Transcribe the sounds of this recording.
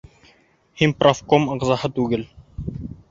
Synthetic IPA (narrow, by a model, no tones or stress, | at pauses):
hinprʔofkomɤ̆ʁzɑhɤt̪ʉɡɘl